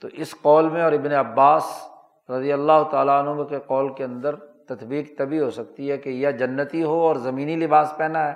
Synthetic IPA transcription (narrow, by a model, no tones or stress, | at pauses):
t̪oʔɪsqɔːlmẽɔːɾɪbneɐbːaːs | ɾɐd̪ijəlːaːɦʊt̪aːlaɐnɦõmẽkeqɔːlkeɐ̃nd̪əɾt̪ɐt̪biːqt̪ɐbʱiɦosɐk̚t̪iɦɛkejad͡ʒɐnːət̪iɦoɔːɾzɐmiːnilɪbaːspɛːnaɦɛː